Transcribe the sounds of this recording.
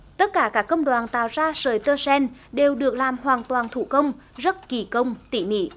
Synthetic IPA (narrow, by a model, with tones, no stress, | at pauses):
t̪ə˦˥t̚kaː˧˩kaː˦˥kːə˧wŋ͡mɗwaː˨˩nt̪a̰ː˧˨wzaː˧səː˨˩jt̪əː˧sɛ˧nɗe˨˩wɗɨ˨˩ək̚laː˨˩mɦwaː˨˩nt̪waː˨˩nt̪ʰṵ˧˨kə˧wŋ͡m | zə˦˥t̚ki˨˩kə˧wŋ͡mt̪ḭ˧˨mḭ˧˥˨